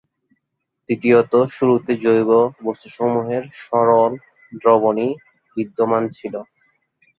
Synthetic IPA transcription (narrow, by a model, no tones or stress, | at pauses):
d̪it̪ijot̪oʃuɾut̪ed͡ʑojbobost̪oʃomuɦeɾʃɔɾol | ɖɾoβoni | bid̪ːomant͡ɕʰilo